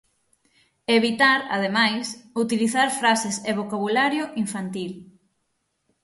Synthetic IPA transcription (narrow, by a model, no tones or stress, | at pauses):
eβit̪aɾa̰ð̞emajsut̪iliθaɾfɾaseseβ̞okaβulaɾjoʔiɱfant̪il